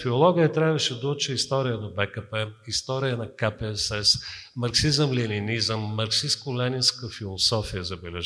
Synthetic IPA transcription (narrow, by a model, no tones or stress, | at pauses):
fiolˠɔɡiət̪ɾʲavəʃɛd̪ot͡ʃɛist̪ɔɾijənɐbɛkəpɛist̪ɔɾijənɐkapɛɛsɛsmɐɾksizəmlininizəmːɐɾksiskolɛninskəfilˠosɔfijəzɐbɛlɛʒ